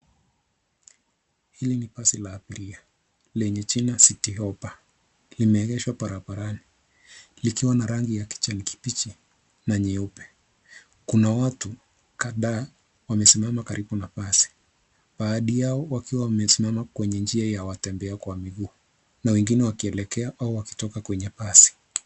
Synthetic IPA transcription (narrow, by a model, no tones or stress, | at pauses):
hilinipasilaːpiɾia | lɛɲɛt͡ʃinasitiɔpa | limɛːɡɛʃwapaɾaɓaɾani | likiwanaɾaŋɡijaki̥t͡ʃaniki̥pit͡ʃi | naɲɛɔpɛ̥ | kunawatu | kaðaː | wamɛsimamakaɾʔiɓunafasi̥ | ɓaːɗijaɔwakiwawamɛsimamakwɛɲɛnd͡ʒiajawatɛmbɛakwamiɠuː | nawɛŋɡinɛwakiɛlɛkɛaʔauwaki̥tɔkakwɛɲɛpasi̥